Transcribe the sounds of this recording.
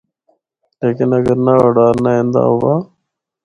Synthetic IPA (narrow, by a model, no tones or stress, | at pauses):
leːkɪnəɡəɾnaːoːɖaːɾnaːẽːnd̪a̰ːɦoːʋaː